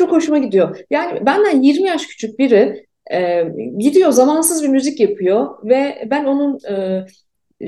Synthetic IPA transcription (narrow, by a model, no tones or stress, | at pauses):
ukʰo̞ʃumaɟid̪ijo̞jaːnɪbænd̪ænjiɾmijaʃcʰy̥t͡ʃʰyc̚biɾɪ | ɛɟid̪ijo̞zamansɯzbimyzicjapʰɯjovɛbæno̞nunɯː